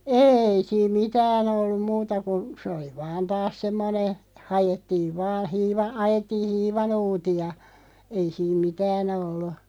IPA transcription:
eːi siːm mitæːn olːum̆ muːtɑ kun̞ sĕ oli ʋɑːn tɑːs semːone hɑjetːiːʋ ʋɑː hiːʋɑ ɑjetːiː hiːʋɑnuːtiɑ ei siːm mitæːn olːu

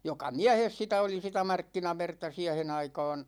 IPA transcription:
jokɑ miæhes sitæ oli sitæ mɑrkːinɑʋertɑ siæhen ɑikɑːn

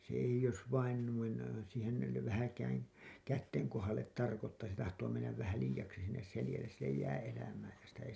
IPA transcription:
se eij̆ jos ʋɑin nuin siːhen yle ʋæhækæːŋ kætːeŋ kohɑlˑet tɑrkotːɑː se tɑhtoː menːæʋ ʋæhæ liːjɑksi sinːes selĭjælːes silːej jæː elæmæː jɑ sitæ ei

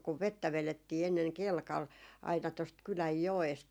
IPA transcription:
kuʋ ʋetːæ ʋeletːiː enːeŋ kelkɑl ɑinɑ tost kylæj joest

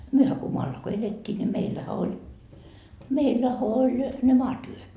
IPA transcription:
myøhæ ko moɑlːɑ ko eletʲːiː nʲi meilːæhæ olʲ meilːæhæ olʲ ne mɑːtyøt

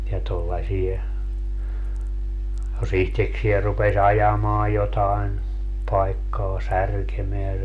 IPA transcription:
jɑ tolːɑsie jos ihteksiɛ rupes ɑjɑmɑː jotɑen pɑikːɑː særkemeæ

